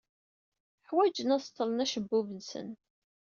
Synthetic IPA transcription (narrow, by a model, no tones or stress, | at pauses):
ħwæd͡ʒənæst̪ːəlˤnæʃəbːuvənsə̰n